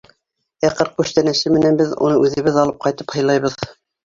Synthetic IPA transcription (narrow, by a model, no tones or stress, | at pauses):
æqɤɾq̚kʉʃt̪ænæʃɘmɘ̆nænbɘðṵnɤʔʉðɘ̆βɘðɑlˠɤp̚qɑjt̪ɤphɤ̆jlˠɑjβɤð